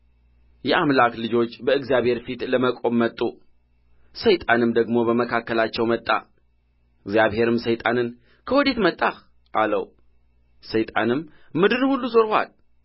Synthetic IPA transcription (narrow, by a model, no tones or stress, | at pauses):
jɛʔamlaklɨd͡ʒo̞t͡ʃːbəɨɡzjaβhe̞ɾfit̪ləməkʼo̞mːət̪ʼːu | səjt̪ʼanɨmd̪əɡmo̞bəməkʰakːəlat͡ʃːɛwmət̪ʼːa̰ | ɨɡzjaβhe̞ɾɨmsəjt̪ʼanɨn | kʰəwɔd̪e̞t̪mət̪ʼːah | ʔalə̰w | səjt̪ʼa̰nɨmːɨd̪ɨɾhulːuzo̞ɾhwa̰l